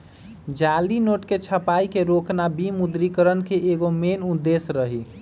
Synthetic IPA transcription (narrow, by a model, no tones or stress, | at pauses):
d͡ʒalinoʈket͡ʃʰəpaikeɾoknabimud̪ɾikəɾənkeʔeɡomenud̪ːesɾəɦi